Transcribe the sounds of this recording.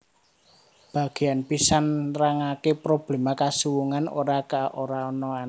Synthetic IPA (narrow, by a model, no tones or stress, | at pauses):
b̥a̤ɡ̥eanpisanraŋakepɾob̥lemakasuwuŋano̰ɾakaʔoɾaɔnɔan